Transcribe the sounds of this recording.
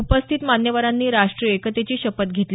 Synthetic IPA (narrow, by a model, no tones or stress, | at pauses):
upəst̪ʰit̪manjəʋaɾanːiːɾaʂʈɾiekət̪et͡ɕiːɕəpət̪ɡʱet̪l